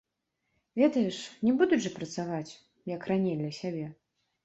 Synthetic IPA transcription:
vʲɛd̪ɐjɛʂnʲɛbud̪uʐɨpɾɐt̪savat͡sʲ | jɐkranʲejd̪lʲɐsʲabʲɛ

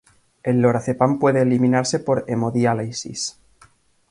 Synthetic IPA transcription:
e̞lːoɾaθe̞pampwe̞ðeːliminaɾse̞po̞ɾemoðjaleisḭs

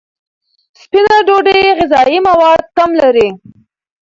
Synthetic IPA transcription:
spinaɖoɖeɣɪzɑjimawɑd̪̚kamlaɾi

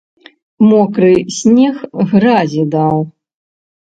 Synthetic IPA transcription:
mɔkɾɨsʲnʲɛxɣɾazʲid̪aw

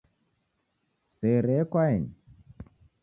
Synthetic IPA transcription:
seɾɛkwaɛni

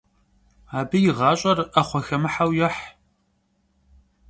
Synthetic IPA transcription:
aːbɨjɪʁɑːɕʼɐraχʷɔxɐmɨħawjɛħ

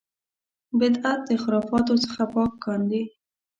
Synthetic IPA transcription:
bɪd̪at̪̚d̪əxɪɾɑfɑt̪ot͡sə̥xapɑkːɑnd̪i

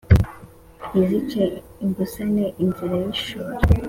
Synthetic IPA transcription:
izice | imbusaneʔinziɾajiʃuɾe

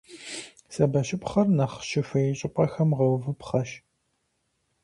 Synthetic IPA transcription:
sɐbɐɕɪpχɐrnɐχʃɪfɐjɛɕʼɪpʷʼɐxɐmʁɐwvɨpχɐʃ

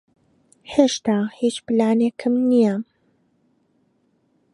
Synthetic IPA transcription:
heːʃt̪aːhit͡ʃplaːnekʰɨmnija

